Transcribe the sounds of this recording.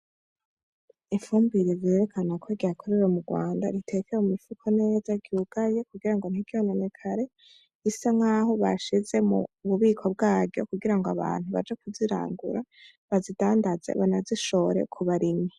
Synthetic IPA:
iɱfuːmbiɾezje̞ɾe̞kʰanakʰoɾɡakʰoɾeɾomuɡwa̰ːnda̰ɾitʰe̞kʰeumifukʰone̞ːzaɡiuɡ̥aje̞kuɡiɾaŋɡo̞n̥ikʰiononekʰaɾe̞ | isaŋ̥aːho̞βaʃize̞mṵβuβiːkʰo̞b̚ɡaːɟɟo̞̰kuɡiɾaŋɡoaβa̰ːn̥huβa̰d͡ʒekuziɾa̰ːŋɡṵɾa | βazidaːndaze̞̰βanaziʃo̞ɾe̞̰kʰuβaɾima

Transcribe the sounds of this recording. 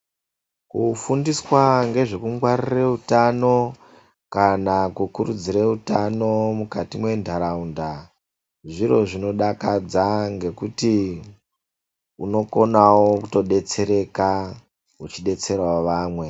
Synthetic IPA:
kufundiswaŋɡe̞ʐe̞kuŋɡwarireutano̞ | kanakukuɾud͡ziɾeutano̞mukatimwe̞ndʱaɾaunda | ʐiɾo̞ʐino̞ɗakad͡zaŋɡe̞kuti | uno̞ko̞nawokuto̞ɗe̞t͡se̞ɾe̞ka | ut͡ʃiɗe̞t͡se̞rwaʋaːmwe̞

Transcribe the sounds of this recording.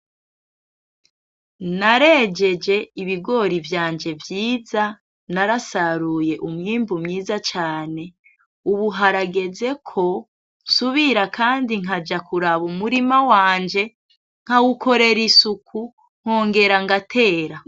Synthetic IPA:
naɾe̞d͡ʒe̞d͡ʒe̞iβiɡo̞ɾivjaːnd͡ʒe̞vjiːza | naɾasaɾuje̞ʔumŋiːmbumɲiːzat͡ʃaːne̞ | uβuɦaɾaɡe̞ze̞kʰo̞ | suβiɾakaːndiŋ̥ɦad͡ʒakuɾaβumuɾimawaːɲd͡ʒe̞ | ŋ̥hawukʰo̞ɾe̞ɾisukʰu | ŋ̥hoːŋɡe̞ɾaŋɡatʰe̞ːɾa

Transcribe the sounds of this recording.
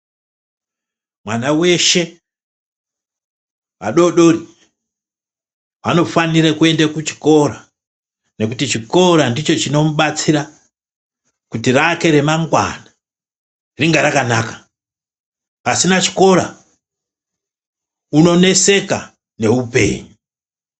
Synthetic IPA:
mwanawe̞ʃe̞ | wa̰ɗo̞ɗo̞ri | ano̞faniɾekue̞ndakut͡ʃi̥ko̞ɾa | ne̞kutit͡ʃiko̞ɾandit͡ʃo̞t͡ʃino̞muɓat͡siɾa | kutirake̞ɾe̞maŋɡwa̰na | riŋɡaɾakanakḁ | pasinat͡ʃi̥ko̞ɾa̰ | uno̞ne̞se̞ka̰ | ne̞upe̞̰ːɲu

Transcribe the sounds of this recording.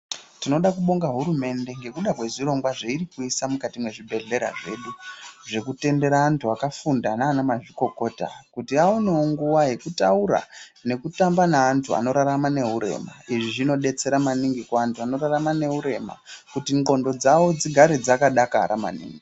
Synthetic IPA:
tino̞ɗakuɓo̞ŋɡaɦuɾume̞nde̞ŋɡe̞kuɗakwe̞ʐiro̞ŋɡwaʐeiɾikuisamukatimwe̞ʐibʱe̞ɮe̞ɾa̰ʐe̞̰ɗuʐe̞kute̞nde̞ɾaːntʰuakafundanaːnamaʐiko̞ko̞ːta̰kutiaoneoŋɡuwaɦe̞kutauɾa̰ne̞kutambanaːntʰua̰no̞ɾaɾamane̞ɦuɾe̞̰ma̰iʐiʐino̞ɗe̞t͡se̞ɾamaniŋɡikwaːntʰuano̞ɾaramane̞ɦuɾe̞ma̰kutiŋɡo̞ndo̞d͡zawo̞d͡ziɡʱaɾed͡zakaɗakaɾama̰nḭːŋɡii

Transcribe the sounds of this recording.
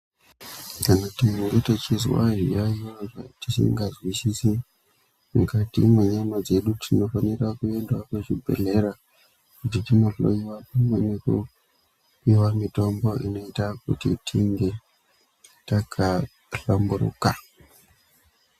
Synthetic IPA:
kanatiŋɡetet͡ʃizwa̰ɦḭjajoʐa̰tisḭŋɡazwisise | mukatḭmweɲemod͡ze̞ɗutʰino̞fane̞rakue̞ndwakuʐibʱe̞̰ɮe̞ɾa | kutitinoɮo̰iwapamweneku | piwamito̞mbo̞ʔino̞itakṵtitʰiŋɡe̞ | takʰa | ɬambuɾṵka

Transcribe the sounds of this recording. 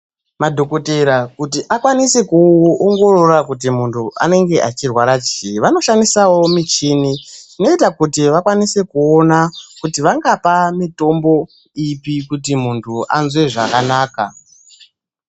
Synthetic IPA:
madʱo̞ko̞teɾakutiʔakwanise̞kuoŋɡo̞rorakut̬imuntʰuʔa̰ne̞ŋɡe̞ʔat͡ʃirwaɾat͡ʃiiʋano̞ʃandisawo̞mit͡ʃiːnitino̞itakutiʋakwanise̞kuonakutiʋaŋɡapamito̞mbo̞ | ipikut̬imuntʰuʔa̰nzwe̞ʐa̰kanaːka

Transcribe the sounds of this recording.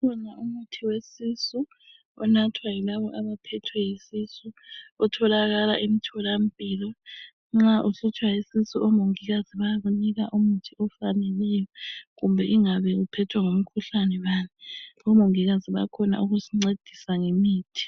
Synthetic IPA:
kɔnaumutʰiwesisu | ɔnatʰwajilaβɔʔaβapʰɛtʰwɛjisisuɔtʰɔlaɣala̰ʔimitʰɔlam̩pʼiːlɔ | ŋ͡ǁaʔusut͡ʃʰʼwajisisuɔmoŋiɣaziβajaβuniɣaʔumutʰiɔfanɛlɛjɔɣumbʱɛʔiŋaβɛupʰɛtʰwaŋom̩kʰuɬanɛβaːniɔmoŋiɣaziβa̰kʰɔna̰ʔuɣusiŋ͡ǀed̥ʱisaŋemiːtʰi̥

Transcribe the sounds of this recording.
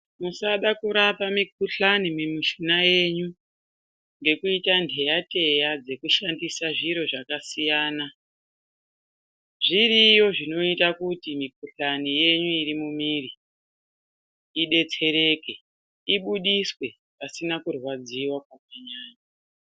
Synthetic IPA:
musaɗakuɾapamik̚uɬanimemiʃinaje̞ɲu | ŋɡe̞kuitandʱe̞jate̞jad͡ze̞kuʃandisaʐiɾo̞ʐakasijaːna | ʐiɾijo̞ʐino̞itakutimik̚uɬanije̞ɲuiɾimumiri | iɗe̞t͡se̞ɾe̞ke̞ | iɓuɗiswe | pasinakurwad͡ziwakwakaɲaːɲa

